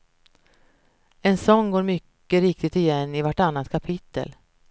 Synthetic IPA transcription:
ɛnsɔŋːɡoːɾmʏkːəɾɪk̚t̪ɪt̪ɪjɛnːɪvaʈanːat̪kʰapʰɪt̪ːə̰l

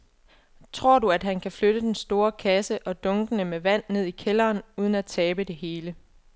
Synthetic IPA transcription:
t͡sʰʁo̝ɐ̰duæd̥ɦænkʰæfløɾ̥əd̥ensd̥o̝ːɐkʰæsəʔɒ̽d̥ɔ̽ŋɡ̥ənəmeʋæn̰ne̝ð̞̰ˠikʰelɐːnuːð̞ˠən̩æt͡sʰɛːb̥əd̥e̝ɦe̝ːlə

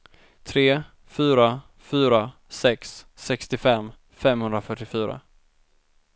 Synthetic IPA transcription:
t̪ʰɾeː | fyːɾa | fyːɾa | sɛksːɛkst̪ɪfɛmː | fɛmhɵnd̪ɾafœʈːɪfyːɾa̰

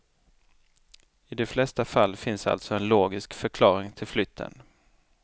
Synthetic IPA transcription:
ɪd̪ɛflɛst̪afalːfɪnsa̰lt̪sɔɛnloːɡɪskfœɾkʰlɑːɾɪŋt̪ʰɪlflʏt̪ʰːə̰n

